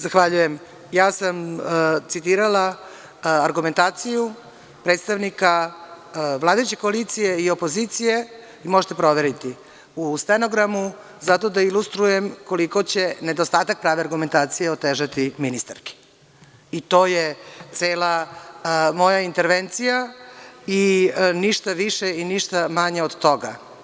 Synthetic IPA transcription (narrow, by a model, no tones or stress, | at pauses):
zaxʋaʎuje̞m | jaːsamt̪sit̪iːɾala | aɾɡume̞nt̪aːt̪siju | pɾet̪st̪aʋnika | ʋlˠaːd̪ajut͡ɕe̞koalit̪sije̞io̞po̞zit̪sije | imoʒet̪e̞pɾo̞ʋe̞ɾit̪i | ust̪enoɡɾamu | zat̪o̞d̪ailust̪ɾujemko̞liko̞t͡ɕened̪ost̪aːt̪ak̚pɾaːʋeaɾɡume̞nt̪aːt̪sijeot̪eːʒat̪iminist̪aɾki̥ | it̪o̞ːjet̪seːla | mo̞jaint̪eɾʋent̪sija | iniʃt̪aʋiʃeiniʃt̪amaɲeod̪t̪o̞ɡa